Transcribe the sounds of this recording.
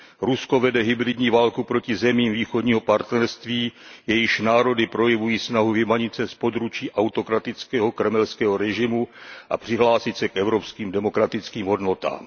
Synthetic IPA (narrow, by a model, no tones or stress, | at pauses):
ɾusko̞vɛdɛɦɪbɾɪdɲiːvaːlkupɾo̞cɪzɛmiːmviːxodɲiːɦo̞paɾt̪nɛɾst̪viːjɛjɪʃnaːɾo̞dɪpɾo̞jɛvujiːsnaɦuvɪmaɲɪt̪sɛspo̞d̪ɾut͡ʃiːʔawt̪o̞kɾat̪ɪt͡skɛːɦo̞kɾɛmɛlskɛːɦoɾɛʒɪmuʔa̰pr̝̥ɪɦlaːsɪt̪sɛkʔɛvɾopskiːmdɛmo̞kɾat̪ɪt͡skiːmɦo̞dno̞t̪a̰ːm